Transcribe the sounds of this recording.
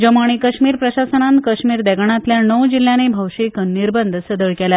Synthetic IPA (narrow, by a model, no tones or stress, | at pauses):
d͡ʑəmaɽ̃ikəɕmiːɾpɾəɕasənant̪kəɕmiːɾd̪ɛɡɳ̃at̪ljanəwd͡ʑil̤janebʱəwʂekənːiɾbənd̪ʱəsəd̪əɭkɛla